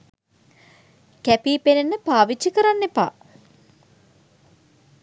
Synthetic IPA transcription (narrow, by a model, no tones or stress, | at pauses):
kæpiːpenenːəpaːʋit͡ʃːikəɾanːepa̰ː